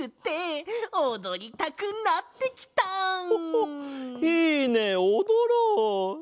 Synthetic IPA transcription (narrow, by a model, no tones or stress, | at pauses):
ɯ̟t̪ːe̞od̪o̞ɾʲit̪akɯ̟nat̪ːe̞kʲi̥t̪a | iːneod̪oɾo